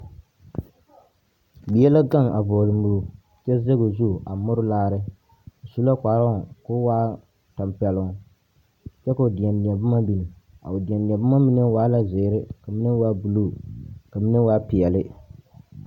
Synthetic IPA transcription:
bi˨jɛ˦la˦ɡa˦˨ŋa˨vɔ˨lɨ˨mu˨u˨ | t͡ʃɛ˦ze˦ɡo˨zu˦˨ʔa˨mʊ˦ɾʊ˦laː˦ɾɪ˦˨ | su˦la˦kʷaː˨˦ɾa˦˨kʊ˦waː˦ | ta˨mpi˨ɛ˨lʊ˨ŋ˨ | t͡ʃɛ˦ka˨o˨dɪ˨ɛ˨nni˨ɛ˨ba˦ma˦mi˨ni˨ | a̰˨ʊ˨dɪ˨ɛ˨nni˨ɛ˨ba˦ma˦mi˦nɨ˦waː˦la˦ze˨˦ɾɪ˦ka˨mi˦nɨ˦waː˦bu˨lu˦˨ka˨mi˦nɨ˦waː˦pi˨jɛ˨lɪ˦

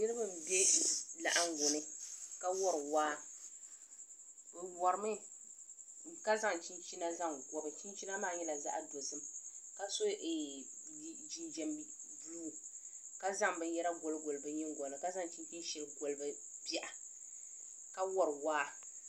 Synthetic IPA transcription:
nɪ˦ɾɨ˦bɨ˦m˨bɛ˦la̰˨ʔa˦ŋ˦ɡo˨nɨ˦ka˦wɔ˦ɾwaː˦˨ | wɔ˨ɾɨ˨mɨ˦ | ka˦za˦ŋ˨t͡ʃi˦nt͡ʃi˦na˦za˦ŋɡɔ˦bɨ˨t͡ʃi˦n˦t͡ʃi˦na˦maː˦˨ɲɛ˦la˨za̰˦ʔa˦do˨sɨ˦mka˦so˦ʔɛ˨˦ | d͡ʒi˨nd͡ʒɛ˨m˦ | buː˦˨ | ka˦za˦ŋbɨ˦n˦jɛ˦ɾa˦ɡo˨lɨ˦ɡo˨lbɨ˦ɲɛ˦ŋ˦ɡɔ˨nɨ˨ka˦za˦ŋt͡ʃi˦t͡ʃi˦ʃɛ˨lɨ˦ɡo˨lbɨ˦ | bɛ˦ʔa˨ | ka˦wɔ˦ɾwaː˦

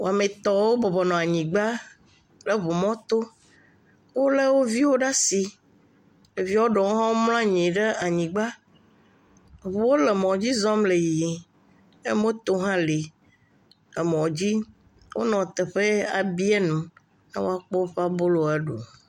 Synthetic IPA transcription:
wo˨a˨mẽ˨t̪ɔ˨wo˦bɔ˨bɔ˨nɔ̃˨a˨ɲĩ˨ɡ͡ba˦ | le˨βo˨mɔ̃˦t̪o˦ | wo˦le˦wo˦vi˦wo˦ɖa˦si˨ | e˨vi˦wo˦ɖɔ˨wo˦ɦɔ̃˦ml̃ã˦ɲĩ˨ɖe˦a˨ɲĩ˨ɡ͡ba˦˨ | βo˨˦wo˦lɛ˨mɔ̃˨d͡ʑi˦zɔ˦mle˨jji˨ | e˦mõ˦t̪o˦ɦã˦li˨ | e˨mɔ̃˨d͡ʑi˦ | wo˦nɔ̃˨t̪ɛ˨ɸe˦a˨bi˦ɛ˦nũ˨ | ḛ˦wo̰˦a˦k͡pɔ˦ɸa˦bo˦lo˦a˨ɖṵ˨

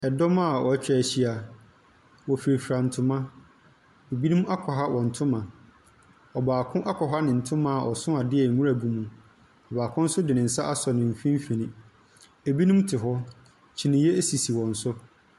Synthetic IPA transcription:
ɛ˨dɔ˦ma˦˨ɔ˨æ˦t͡ɕᶣæ˨ɕi˦a˨ | wɔ˨fi˨ɾi˨fɾa˨n̩˨tʰʊ̃˨mã˦ | e˨bi˦nũ˦m˦a˦kʷʰɔ˨ɦa˦wʔɔ̃˨n̩˨tʰʊ̃˦mã˨ | ɔ˨baː˨kʰʊ̃˦ʔa˦kʰɔ˨ɦa˦nɪ̃˨n̩˨tʰʊ̃˦mã˨ʔɔ˨sʊ̃˦a˨dɪ˦ɛ˨mũ˦ɾa˨bu˨mũ˨ | ɔ˨baː˨kʰʊ̃˦n̩˦sʊ˦dɪ˨nɪ̃˨n̩˨sa˦ʔa˦sɔ˨nɪ̃˨m̩˨fĩ˦m˦fĩ˨nĩ˦ | e˨bi˦nũ˦m˦tʰɪ˨ɦɔ˦ | t͡ɕʰi˨nĩ˨je˦e˦si˨si˨wɔ̃˨n̩˨sʊ˦

